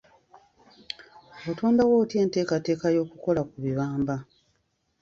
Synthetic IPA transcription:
otoːndawo̞ːtje̞ːnte̞ːkate̞ːkajo̞ːkuko̞lakuβiβaːmba

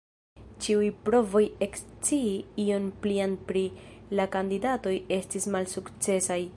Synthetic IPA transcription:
t͡ʃiujpɾo̞vo̞je̞kst͡siiio̞nplianpɾilakandidato̞je̞stismalsukt͡se̞saj

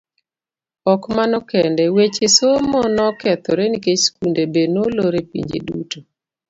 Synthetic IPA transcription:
ɔkmanɔkɛndɛwet͡ʃesommɔnɔkɛt̪ɔɾɛniket͡ʃskundebenoloɾepḭɲd͡ʒḛdṵto

